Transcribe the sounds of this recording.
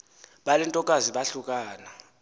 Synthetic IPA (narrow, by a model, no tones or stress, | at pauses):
ɓalɛntʼɔkʼaziɓaɬukʼaːna